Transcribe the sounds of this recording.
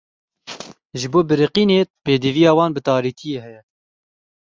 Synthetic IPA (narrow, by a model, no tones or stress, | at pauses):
ʒɨboːbɨɾɨqiːneːt̪peːd̪ɨvijɑːwɑːnbɨt̪ɑːɾiːt̪ʰijeːhɛjɛ